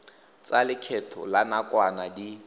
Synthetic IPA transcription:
t͡salɪkʰɛtʰɔ̰lanakʼwanadi

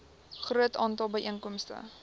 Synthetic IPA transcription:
χruətɑːntɐlˠbəjʔiənkɔmstə̰

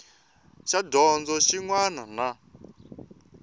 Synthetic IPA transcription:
ʃadɔnd͡zɔʃiŋwanana

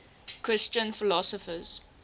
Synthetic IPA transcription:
kʰɹɪst͡ʃə̃nfɪlɔsɔfəz̥

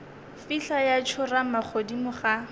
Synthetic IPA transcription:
fiɬajat͡ʃʰʊramak͡xʰodimʊχa

